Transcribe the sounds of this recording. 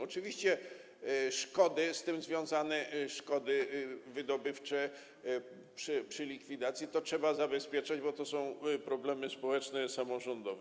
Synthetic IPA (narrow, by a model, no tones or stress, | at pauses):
ɔt͡ʂɘvʲiɕt͡ɕɛ | ʂkɔd̪ɘst̪ɘmzvʲjɔ̃w̃zanɛʂkɔd̪ɘvɘd̪ɔbɘft͡ʂɛ | pʂɘpʂɘlʲikfʲid̪at̪sʲjit̪ɔtʂɛbazabɛspʲjɛt͡ʂad͡ʑbɔt̪ɔsɔ̃w̃pɾɔblɛmɘspɔwɛt͡ʂnɛsamɔʐɔnd̪ɔvɛ